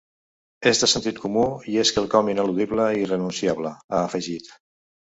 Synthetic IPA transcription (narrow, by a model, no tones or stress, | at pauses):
ezðəsənt̪it̪̚kumuieskəlˠkɔminəluðiβləirənunsiaβləaːfəʒit̪